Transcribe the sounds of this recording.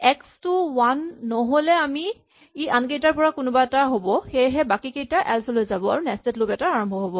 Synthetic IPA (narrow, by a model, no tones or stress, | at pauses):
ɛkstuwanːɔɦolɛami | iʔankejtaɹpɔɹakʊnʊbaɛtaɦobɔxejɦɛbakikejtaʔɛlsɔlojzabɔa̰ɹunɛstetlopɛtaaɹɔmbʱɔɦobɔ